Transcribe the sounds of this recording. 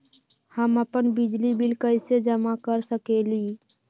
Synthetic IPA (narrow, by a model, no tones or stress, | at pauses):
həməpənbɪd͡ʒlibɪlkəɪsed͡ʒəmakəɾsəkeli